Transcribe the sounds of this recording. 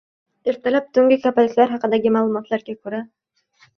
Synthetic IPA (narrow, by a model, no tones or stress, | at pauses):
eɾt̪ʰalap̚t̪ʰɵŋɡʲɪkʰapalʲɪkʲlaɾɦɑqɨ̆d̪ɑɡʲɪmaːlˠumɒt̪lˠaɾɡakʰɵɾa